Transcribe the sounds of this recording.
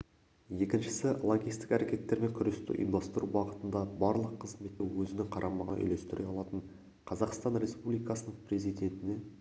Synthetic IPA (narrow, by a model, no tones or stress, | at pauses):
je̞kʲɪnʃɪ̥sɪlˠoɡʲijst̪ɪ̥kæɾe̞kʲe̞t̪ːe̞ɾme̞ŋkʲʰʏɾest̪ɪ̰ʔḭjmd̪ɑst̪əɾʔubɑʁət̪ənd̪ɑbɑɾlˠəqʰːəzme̞t̪ːewɵzɪnɪŋqʰɑɾʔɑmɑʁənʔʏ̰jle̞st̪ɪɾʔeɑlˠɑt̪əɴ | qʰɑzɑqst̪ɑnɾe̞spublijkɑsənəɴpre̞zijd̪e̞nt̪ɪne̞